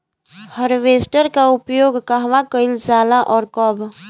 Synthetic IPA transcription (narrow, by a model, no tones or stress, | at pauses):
həɾʋeːsʈəɾkaʊpjoːɡkaɦʋãkəɪld͡ʒaːlaʔɔːɾkɔb